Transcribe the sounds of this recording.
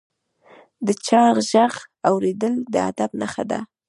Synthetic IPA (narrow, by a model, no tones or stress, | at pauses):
d̪ət͡ʃɑɣʒaɣawɾed̪əld̪əa̰d̪abnaxad̪a̰